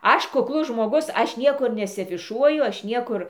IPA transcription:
ˈɐʃ kʊkˈlˠʊs ʒmoːˈɡʊs ˈɐʃ ˈnʲiɛkʊr nʲɛsʲɛfʲɪˈʃuɔjʊ ˈɐʃ ˈnʲiɛkʊr

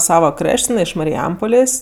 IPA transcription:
ˈsɑːʋɐ ˈkrɐʃʲtʲ jɪˈnɐɪ ɪʃ mɐrʲɪˈjɛmpoːlʲeːsʲ

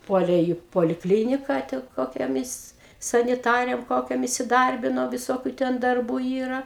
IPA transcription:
ˈpuɔlʲeː iː poːlʲɪˈklʲiːnʲɪkɐ tʲɪ koːkʲoːˈmʲɪs sɐnʲɪˈtɑːrʲeːm ˈkoːkʲoːm ɪsʲɪˈdɐrʲbʲɪnoː ʋʲɪˈsoːkʲʊ ˈtʲɛn dɐrˈbuː ˈiːrɐ

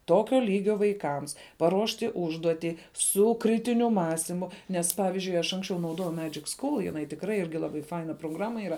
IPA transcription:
ˈtoːkʲoː ˈlʲiːɡʲoː ʋɐɪˈkɐms pɐˈruɔʃʲtʲɪ ˈʊʒduɔtʲiː ˈsʊ ˈkrʲɪtʲɪnʲʊ ˈmɑːsʲtʲɪmʊ nʲɛs ˈpɑːʋʲɪzʲd͡ʒʲʊɪ ɐʃ ˈɐŋksʲt͡ʃʲɛʊ nɐʊˈdoːjɛʊ ˈmʲæːd͡ʒʲɪk ˈskʊlˠ jɪˈnɐɪ tʲɪkˈrɐɪ ˈɪrʲɡʲɪ lˠɐˈbɐɪ ˈfɐɪnɐ proːˈɡrɑːmɐ ˈɪrɐ

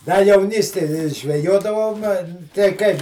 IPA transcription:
dɐ jɛʊˈnʲiːsʲtʲeːj ʒʲʋʲɛˈjoːdɐʋoːm tɐɪ ˈkɐɪ

